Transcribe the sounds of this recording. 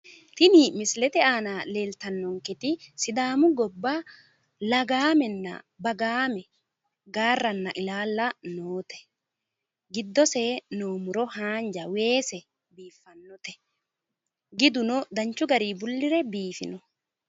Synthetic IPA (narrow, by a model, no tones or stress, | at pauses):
t̪ɪnimɪslɛt̪ɛaːnale̞ːlt̪ɐnːɔŋkɛt̪ɪsɪd̪aːmʊɡɔbːa | lɐɡaːmɛnːɐ̰ | bɐɡaːmɛ | ɡaːrːɐnːɐʔɪlaːlːɐnoːt̪ɛ̥ | ɡɪd̪ːɔseːnoːmʊɾɔhaːnd͡ʒɐwe̞ːsɛ | biːfːɐnːɔt̪ɛ̥ | ɡɪd̪ʊnɔd̪ɐɲt͡ʃʊɡɐɾiːbʊlːɪɾɛbiːfɪ̰nɔ